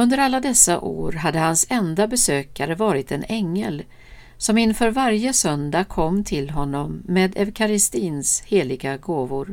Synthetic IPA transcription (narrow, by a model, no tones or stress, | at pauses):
ɵnd̪əɾalːad̪ɛsːaʔo̰ːɾɦad̪ːəhansɛnd̪abɛsøːkaɾəvɑːɾɪt̪ɛnɛŋːəl | sɔmɪnːfœːɾvaɾjəsœnd̪akʰɔmːt̪ʰɪlɦɔnːɔmːeːd̪ɛvkʰaɾɪst̪iːnsheːlɪɡaɡoːvʊɾ